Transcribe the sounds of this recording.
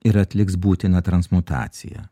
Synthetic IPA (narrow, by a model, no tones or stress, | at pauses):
ɪɾɐt̪ʲlʲɪksbuːt̪ʲɪnɐt̪ɾɐnsmut̪ɑ̰ːt̪sʲɪ̰jɛ̰